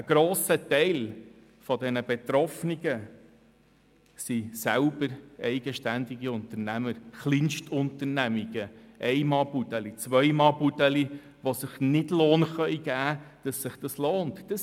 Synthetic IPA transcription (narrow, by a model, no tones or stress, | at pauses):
əɡ̥ɾoːsətɛɪl | fɔdɛnəbɛt̪ɾɔfniɡ̥ə | sisælbəɾɛɪɡəʃtænd̪iɡiʊntəɾnæməɾχlinʃtʰʊnt̪əɾnæmiɡəʔɛɪmɑːbutɛlit͡sʋœjmɑːbutɛli | ʋosɪχnɪdloːnχœʏɡ̥æːd̥ɑsːɪχd̥ɑsloːntd̥əs